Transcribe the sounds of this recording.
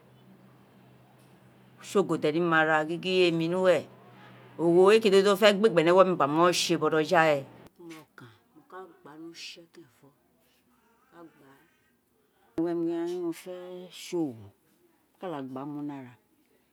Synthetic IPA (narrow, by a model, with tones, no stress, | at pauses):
ʃo˦˨ɡo˨dɛ˨ni˦mã˧ɾa˧ɡi˦ɡi˦e˦mĩ˧nũ˦wɛ˦˨ | o˨wo˨e˦ke˨do˦do˦fɛ˦ɡ͡be˦˨ɡ͡bɛ˨nɛ˨˦wɔ˦mĩ˧˨ɡ͡ba˨mɔ˦˨ʃe˧˨bɔ˧ɾɔ˧d͡ʒa˦ɛ˨˦ | mɔ˨kã˨ | mo˨ka˦ɡ͡ba˨˦nũ˦ʃi˦ɔ˦te˦ɛ˨fɔ˦˨ | ka˦ɡ͡ba˨˦˨ | wɛ˦m˧˦a˦i˦nũ˧fɛ˦ʃo˦˨wo˨ | ka˦la˨ɡ͡ba˨˦mũ˦nã˦˨ɾa˨